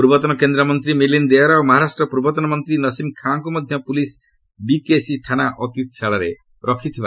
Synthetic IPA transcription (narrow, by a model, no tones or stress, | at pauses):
puɾbɔt̪ɔnɔkend̪ɾɔmɔnt̪ɾimilind̪eɔɾaomɔɦaɾasʈɾɔpuɾbɔt̪ɔnɔmɔnt̪ɾinʌsimkʰaŋkumɔd̪ʱjʌpulis | bikesit̪ʰanaʔɔt̪it̪saɭaɾe | ɾɔkʰit̪ʰiba